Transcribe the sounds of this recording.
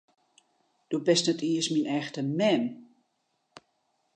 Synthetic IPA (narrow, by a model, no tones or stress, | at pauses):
d̥obɛstnɛtʰiəsminɛxtəmɛm